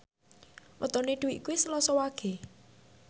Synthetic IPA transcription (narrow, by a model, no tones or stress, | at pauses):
wət̪ɔneɖ̪̥uwiʔkuisəlɔsɔwaɡ̥e̤